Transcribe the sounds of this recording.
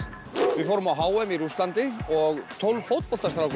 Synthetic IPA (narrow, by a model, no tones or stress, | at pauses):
vɪfoːwɾʏmawɦaːwɛmiɾuslant̪ɪɔɣt̪ʰowlvfowt̪̚pɔlt̪ast̪ɾawk